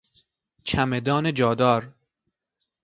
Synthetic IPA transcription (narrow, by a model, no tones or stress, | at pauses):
t͡ʃʰæmed̪ɒːned͡ʒɒːd̪ɒːɾ